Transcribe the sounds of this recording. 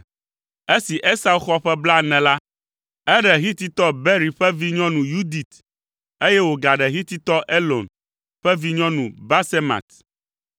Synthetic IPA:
e˦si˨ʔe˦sa˦u˦xɔ˦ɸɛ˦bla˦nɛ̃˨la˦ | ɛ˦ɖɛ˨ɦi˦t̪i˦t̪ɔ˦be˦ɾi˨ɸɛ˦vi˦ɲɔ̃˦nũ˨ju˦d̪i˨t̪ | e˦jɛ˦wo˨ɡa˨ɖɛ˨ɦi˦t̪i˦t̪ɔ˦ʔe˦lo˨n | ɸɛ˦vi˦ɲɔ̃˦nũ˨ba˦se˦ma̰˨t̪

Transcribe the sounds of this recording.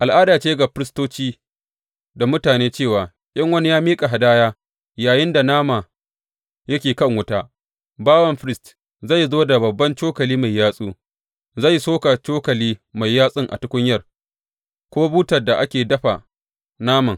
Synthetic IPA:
ʔa˨lʔaː˦daː˨t͡ʃeː˦ɡa˨ɸɪ˦ɾɪ˦stoː˦t͡ʃiː˦ | da˨mʊ˦taː˨neː˦t͡ʃeː˦˨waː˨ | ʔʲʼɐ˦ŋwɐ˦ni˦jaː˦miː˦kʼa˨ɦa˨daː˦jaː˦ | jaː˨jɪ˦nda˨naː˦ma˨ | jɐ˦kʲeː˨kɐ˦˨ŋwʊ˦taː˦ | baː˦wɐ˦˨mɸɪ˦ɾɪ˦st | za˦˨jzoː˦da˨bɐ˨bːɐ˦nt͡ʃoː˦kɐ˨liː˦ma˨jːaː˦sʼuː˦ | zɐ˦˨jsoː˦ka˨t͡ʃoː˦kɐ˨liː˦ma˨jːaː˦sʼɪ˦ŋʔa̰˨tʊ˦kʷʊ˦ɲjɐ˦r | kʷoː˦buː˦tɐ˨rda˨ʔa˦kʲeː˨dɐ˦ɸa˨ | naː˦mɐ˨ŋ

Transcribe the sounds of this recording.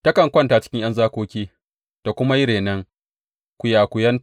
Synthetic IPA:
tɐ˦kɐ˨ŋkʷɐ˦ntaː˨t͡ʃɪ̥˦kʲɪ˦ŋj̰ɐ˦nzaː˦kʷoː˦kʲiː˦ | d̥a˨kʷʊ˦ma˦jɪ˦ɽeː˨nɐ˦ŋ | kʷʊ˨jaː˨kʷʊ˨jɐ˦n

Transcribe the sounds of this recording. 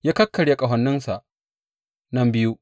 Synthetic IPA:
jaː˦kɐ˦kːɐ˨ɽja˦kʼɐ˨ɦɐ˨nːɪ˦nsa˨ʔ | nɐ˦mbɪ˦ju˦

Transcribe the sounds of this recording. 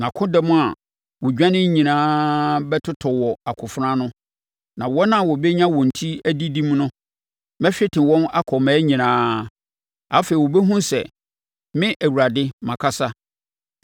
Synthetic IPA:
nã˨kʰʊ̃˦dɛ˦mʊ̃˦a˨ | wɔ˨d͡ʑᶣã˦nɪ̃˦ɲĩ˨nãː˦bɛ˦tʰʊ˦tʰɔ˨wɔ˨a˨kʰʊ˨fɾã˦nʊ̃˦ | nã˨wɔ˦nã˦˨wɔ˨bɛ˦ɲã˦wɔ̃˨n̩˨tʰi˦æ˦di˦dĩ˦mnʊ̃˦ | mɛ˦ɕᶣɪ˦tʰɪ̃˨wɔ̃˦na˦kʰɔ˨mɛ˨˦ɲĩ˨nãː˦ | a˨˦feː˨i˨wɔ˨bɛ˦ɦũ˦sɛ̰˨ | mɪ̃˦ʔæ˨wu˨ɾa˨dɪ˦mã˨kʰa˦sa˦

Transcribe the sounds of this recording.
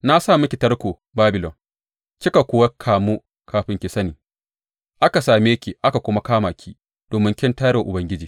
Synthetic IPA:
na˦saː˦˨mɪ˦kʲi˨tɐ˦rkʷoː˨ | baː˦bɪ˨lɔ˨n | kʲɪ˦ka˨kʷʊ˦wa˦kʰaː˨mu˦ | kʰaː˨ɸɪ˦ŋkʲɪ˨sɐ˦niː˨ | ʔa˦ka˨saː˨me˦kʲi˨ʔa˦ka˨kʷʊ˦ma˦kaː˦maː˨kʲi˦ | d̥oː˨mɪ˦ŋkʲɪ˦ntaː˦ɽe˨ʔʊ˨bɐ˦ŋɡʲɪ˦d͡ʒiː˨

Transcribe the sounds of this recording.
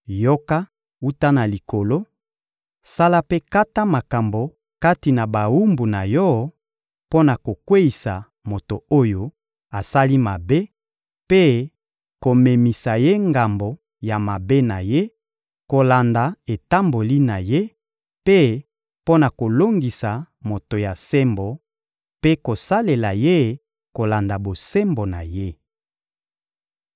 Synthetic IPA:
jo˦ka˦ | u˦ta˦na˨li˨kʰo˨lo˦ | sa˦la˦pe˦ka˦ta˦ma˨ka˨mbo˨ | ka˦ti˨na˨ba˨wu˦mbu˨na˨jɔ˦ | po˦na˨ko˨kwe˦i˨sa˨ | mo˨to˨o˦jo˦ | a˨sa˦li˦ma˨be˦ | pe˦ | ko˨me˨mi˨sa˨je˦ŋɡa˨mbo˨ | ja˨ma˨be˦na˨je˦ | ko˨la˨nda˨e˨ta˦mbo˨li˦na˨je˦ | pe˦ | po˦na˨ko˨lo˦ŋɡi˨sa˨ | mo˨to˨ja˨se˦mbo˨ | pe˦ko˨sa˦le˨la˨je˦˨ | ko˨la˨nda˨bo˨se˦mbo˨na̰˨je˦

